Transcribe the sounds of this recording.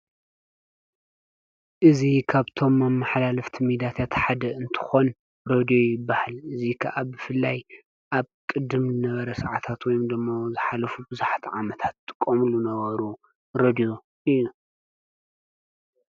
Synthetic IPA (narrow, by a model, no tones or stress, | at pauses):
ʔɨzikʰaβt̪ʰo̞mːɐmːaħlalɨft̪ʰimid̪iat̪ʰat̪ħad̪ɐʔɨnt̪ʰɨ̥xo̞n | ɾod̪ijo̞jɪbːahalɨzikʰɐʔabɨfɨlːaj | ʔaβkʼɨd̪ɨmzɨnɐβɐɾɐsɐʕat̪ʰat̪wɔjmd̪ɨmːozɨħalɐfubɨzuħat̪ʰiʕamɐt̪ʰat̪ːʼɨ̥kʼːomlunɐβɐɾu | ɾod̪ijo̞ | ijːu